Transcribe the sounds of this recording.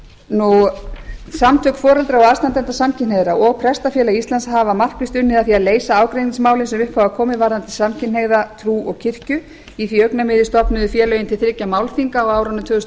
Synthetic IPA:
nu | samt̪ʰœkfɔːɾɛlt̪ɾaɔast̪ant̪ɛnt̪asamcʰɪneɣðɾaɔɣpʰɾɛst̪afjɛːlaist̪lansɦaːvamar̥kvɪst̪ʏnːɪðaðθiaðleːjsaaːwkɾejniŋsmaːwlɪnsɛmʏhpvawvakʰɔːmɪvaːɾðant̪ɪsamcʰɪnheɣðat̪ʰɾuːɔɣcʰɪr̥cʏ | iθiœɥknamɪːðɪst̪ɔpnʏðʏfjɛːlœjɪnt̪ʰɪlθɾɪcamaːwlfiŋkaɔɣaːwɾant̪ʰœːɣʏst̪

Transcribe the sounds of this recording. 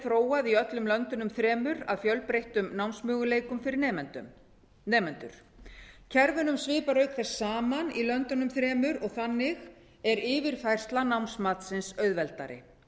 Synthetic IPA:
θɾoːwaðiœt̪lʏmlœnt̪ʏnʏmθɾɛːmʏɾa̰ðfjœlpɾejht̪ʏmnawnsmʏːɣʏleːjkʏmfɪɾɪɾʏ̰ | nɛːmɛnt̪ʏɾ̥ | cʰɛɾvʏnʏmsvɪːpaɾœɥkθɛsːaːmanilœnt̪ʏnʏmθɾɛːmʏɾɔɣθanːɪɣ | ɛɾɪːvɪɾ̥fajr̥st̪lanawnsmaːt̪sɪnsœɥðvɛlt̪a̰ɾɪ̰

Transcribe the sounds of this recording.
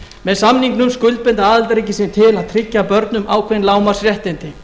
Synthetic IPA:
mɛðsamniŋknʏmskʏlt̪̚pɪnt̪aaːðalt̪aɾiːc̬ɪsɪnt̪ʰɪlaðt̪ʰɾɪcːapœɾt̪nʏmʔaːwkʰvejnlaːwmaɾ̥srjɛht̪ɪnt̪ɪ

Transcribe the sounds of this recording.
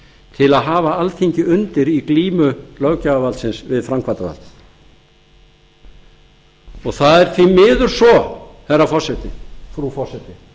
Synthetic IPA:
t̪ʰɪlaðɦaːvaalt̪ʰiɲcɪʏnt̪ɪɾikliːmʏlœwcaavalsɪnsvɪðfɾamkʰvaɾt̪ava̰lt̪ | ɔɣθaðɛɾ̥θʰvimɪːðʏɾ̥sɔθɛrːafɔr̥sɛt̪ɪfɾufɔr̥sɛt̪ɪ

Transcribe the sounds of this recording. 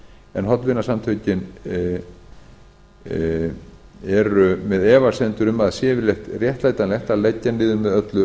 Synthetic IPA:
ɛnɦɔt̪lvɪnːasamt̪ʰœːɥcɪn | ɛɾʏmɛðɛːvḁsɛnt̪ʏɾʏmaðsjɛːvɪɾlɛxt̪rjɛht̪laːjt̪anlɛht̪alecːanɪːðʏmɛðœt̪lʏ

